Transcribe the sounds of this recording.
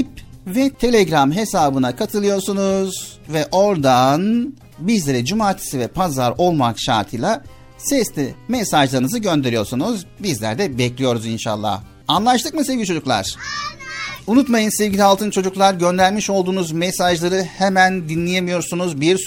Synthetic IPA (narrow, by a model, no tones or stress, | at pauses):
ip̚vɛt̪ʰe̞lʲeɡɾamɦe̞saːbɯnakʰat̪ʰɯlˠɯjo̞ɾsunuz̥vɛʔo̞ɾd̪an | bizlʲe̞ɾɛd͡ʒumaːt̪ʰi̥sivɛpʰazaɾo̞lˠmakʃa̰ɾt̪ʰɯjlʲˠa | sɛst̪ʲimɛsaʒlˠaɾɯnɯzɯɟø̞nd̪e̞ɾijo̞ɾsunuzbizlʲæ̰ɾd̪ɛbɛclʲijo̞ɾuzinʃa̰lˠːa̰ː | anlˠaʃt̪ʰɯk̚mɯsevɟilʲit͡ʃʰo̞d͡ʒuklˠa̰ɾ̥ | unut̪majɯnsevɟilʲialˠt̪ʰɯnt͡ʃʰo̞d͡ʒuklˠaɾɟø̞nd̪æɾʲmiʃo̞lˠd̪uːnuzmesaʒlˠaɾɯhemænd̪inlʲejemijo̞ɾsunuzbiɾs